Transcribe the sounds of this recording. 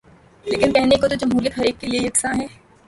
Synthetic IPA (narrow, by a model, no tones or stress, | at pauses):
leːkɪnpɛɦnekot̪̬od͡ʒɐmɦuːɾjəkɦɐɾiːkːeliejɐksãɦɛː